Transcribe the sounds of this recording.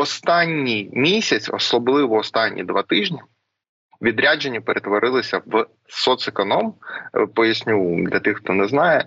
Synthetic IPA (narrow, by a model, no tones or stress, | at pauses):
ɔst̪ɑnʲːijmʲisʲɐt͡sʲɔ̰slˠɔblˠɪʋɔɔst̪ɑnʲːḭd̪ʋɑt̪ɪʒnʲi | ʋʲid̪ɾʲad͡ʒenʲːipeɾʔet̪ʋɔɾʔɪlˠɪsʲɐʋ | sɔt̪sekɔnɔmpɔjɐsʲnʲud̪lʲɐt̪ɪxxt̪ɔnɛznɑjɛ